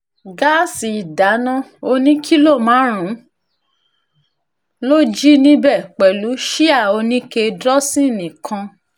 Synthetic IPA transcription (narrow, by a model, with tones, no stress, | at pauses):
ɡa˦˨si˨i˨da˨˦nã˦o˧nĩ˦kʰi˦lo˦˨mãː˨˦ɾ̃ũ˨˦ | lo˦d͡ʒi˦nĩ˦bɛ˦˨k͡pɛ˨lu˨˦ʃi˦a˦˨o˧nĩ˦ke˧dɾɔ˦sĩ˦˨nĩ˨kʰã˧